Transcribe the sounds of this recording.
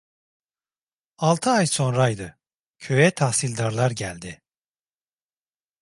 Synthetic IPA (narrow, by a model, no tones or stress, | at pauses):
alˠt̪ʰɯajso̞nɾajd̪ɯ | cʰø̞jɛt̪ʰahsilʲd̪aɾlˠaɾɟælʲd̪ɪ